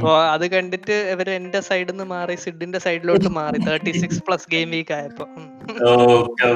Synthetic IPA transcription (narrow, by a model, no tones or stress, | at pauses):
oːɐðɨkɐɳɖitːɨeʋɐɾendesɐjɽenːɨmaːrisiɖːindesɐjɖilo̞ːʈːɨmaːrit̪ʰɐːʈːisikspɭɐsɡeːmʋiːkːaːjɐpːoː | ookːe